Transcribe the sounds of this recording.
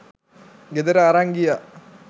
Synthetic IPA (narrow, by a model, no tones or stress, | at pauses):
ɡed̪əɾəaɾaŋɡija